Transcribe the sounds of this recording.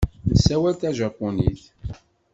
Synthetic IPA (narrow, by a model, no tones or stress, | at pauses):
nəsːæwælt̪æʒɑpːuniθ